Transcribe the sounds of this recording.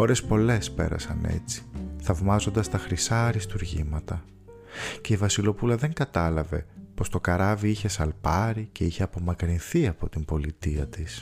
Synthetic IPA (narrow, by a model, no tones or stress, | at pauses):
o̞ɾe̞spo̞le̞spe̞̰ɾɐ̰sɐ̰ne̞̰t͡si̥θɐvmɐzo̞nd̪ɐst̪ɐxɾisɐɾist̪uɾʝimɐt̪ɐ | ce̞ivɐsilo̞pulɐðe̞ŋɡɐt̪ɐlɐve̞po̞st̪o̞kɐɾɐviiçe̞sɐlpɐɾice̞içe̞ɐpo̞mɐkɾinθiɐpo̞t̪imbo̞lit̪iɐt̪is